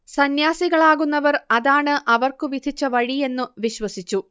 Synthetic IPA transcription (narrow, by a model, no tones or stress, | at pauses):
sɐnjaːsiɣɐɭaːɣunːɐʋɐrɐðaːɳɨʔɐʋɐrkɨʋid̪ʱit͡ɕːɐʋɐɻie̞nːuʋiɕwɐsit͡ɕːu